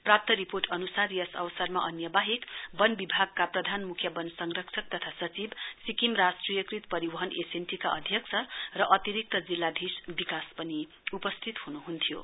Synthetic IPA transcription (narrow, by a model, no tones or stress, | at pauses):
prap̚t̪ʌɾiporʈʌnusaɾijʌsʌ̰wsarmaʔʌnjʌbaɦikbʌnbibʱaɡ̚kaprʌd̪ʱanmukʰjʌbʌnsʌŋrʌksʰʌk̚t̪ʌt̪ʰasʌt͡sibsikimrasʈrijʌkrit̪pʌɾibʌɦʌnesenʈikaʔʌd̪ʱjʌksʰʌrʌʔʌt̪iɾik̚t̪ʌd͡zilːad̪ʱisbikaspʌni | upʌst̪ʰit̪hunuɦunt̪ʰijo̰